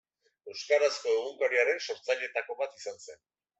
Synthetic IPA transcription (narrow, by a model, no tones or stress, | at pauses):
e̞wskaɾasko̞eɣ̞uŋkaɾiaɾe̞nso̞ɾt͡saʎe̞t̪ako̞βat̪isanse̞n